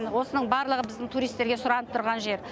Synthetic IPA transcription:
nwo̞sənəɴbɑɾlˠəʁəbɪzd̪ɪŋt̪ʰuɾijst̪ːe̞ɾɡʲe̞sʊɾɑnəp̚t̪ʰʊɾʁɑnʒe̞ɾ

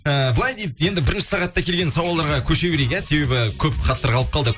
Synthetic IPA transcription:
əblˠɑjd̪e̞jd̪ɪje̞nd̪ɪbɪɾɪnʃɪ̥sɑʁɑt̪ːɑkʲʰe̞lɡʲe̞nsɑwɑlˠɑɾʁɑkʲʰɵʃe̞beɾekʲæse̞be̞bɪkʲʰɵpχɑt̪ːəɾʁɑlˠəp̚qʰɑlˠd̪ə

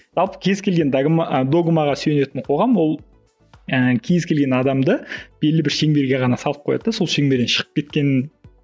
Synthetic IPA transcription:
ʒ̥ɑlˠpə̥kʲʰe̞zkʲe̞lɡʲe̞nd̪ɡmd̪o̞ɡmɑʁɑsyjene̞t̪ɪɴqʰo̞ʁɑmwo̞lˠ | əkʲʰe̞zkʲʰe̞lɡʲe̞nɑd̪ɑmd̪əb̥e̞lːɪbɪɾʃe̞ŋbe̞ɾɡʲe̞ʁɑnɑsɑlˠəp̚qʰojɑ̰d̪əso̞lˠʃe̞ŋbeɾd̪enʃəʁə̥p̚kʲe̞t̪kʲe̞nɪn

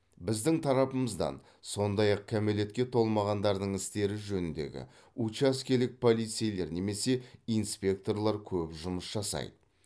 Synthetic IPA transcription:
bɪzd̪ɪŋt̪ʰɑɾɑpəməzd̪ɑ̰n | so̞nd̪ɑjɑq̚kʲʰæme̞le̞t̪kʲe̞t̪ʰo̞lˠmɑʁɑnd̪ɑɾd̪əɴɪst̪e̞ɾɪʒɵnɪnd̪e̞̰ɡʲɪ̰ | ut͡ʃæskʲe̞ɾlɪk̚pʰo̞lˠijt̪sɨjle̞ɾne̞me̞se̞ijnspʲe̞k̚t̪o̞rlˠɑɾkʲʰɵpʒʊməsʒɑsɑ̰jd̪ə

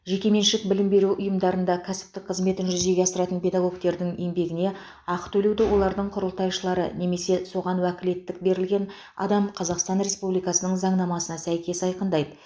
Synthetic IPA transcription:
ʒe̞kʲe̞me̞nʃɪk̚bɪlɪmbe̞ɾuʊjəmd̪ɑɾənd̪ɑkʲʰæsɪ̥p̚t̪ɪk̚qʰəzme̞t̪ɪnʒʏze̞ɡʲeɑsəɾɑt̪ənpʰʲe̞d̪ɑɡo̞kt̪e̞ɾd̪ɪŋe̞mbe̞ɡʲɪne̞ | ɑqət̪ʰɵlewd̪ɪwo̞lˠɑɾd̪əɴqʰʊɾəlˠt̪ɑjʃəlˠɑɾə̰ne̞me̞se̞so̞ʁɑnwækʲɪle̞t̪ːɪk̚be̞ɾɪlɡʲe̞n | ɑ̰d̪ɑmqʰɑzɑqst̪ɑnɾe̞spublijkɑsənəɴzɑɴnɑmɑsənɑsæjkʲe̞sɑjqənd̪ɑjd̪ə

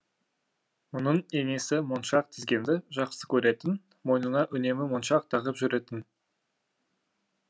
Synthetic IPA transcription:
mʊnəɴe̞ŋe̞sɪmonʃɑq̚t̪ʰɪzɡʲe̞nd̪ɪʒɑqsə̥kʲʰɵɾe̞t̪ɪn | mo̞jnənɑʔʏne̞mɪmonʃɑq̚t̪ʰɑʁəpʒʏɾe̞t̪ɪn

